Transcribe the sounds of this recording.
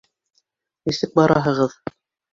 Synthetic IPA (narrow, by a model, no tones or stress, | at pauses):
nisɘk̚bɑɾɑɦɤ̆ʁɤð